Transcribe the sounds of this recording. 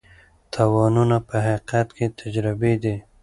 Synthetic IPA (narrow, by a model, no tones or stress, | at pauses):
t̪ʰawɑnunapəɦaqat̪ket̪ʰad͡ʒɾɪbed̪i